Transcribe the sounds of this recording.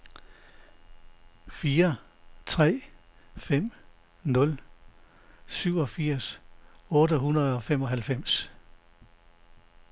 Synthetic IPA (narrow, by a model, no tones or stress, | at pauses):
fiːɐ | t͡sʰʁɛ̰ː | fem̰ | nɔ̽l | syʊ̰ɒ̽fiɐ̰sɔ̽ːɾəhunɐðˠɒ̽fem̰ɒ̽ɦælfem̰s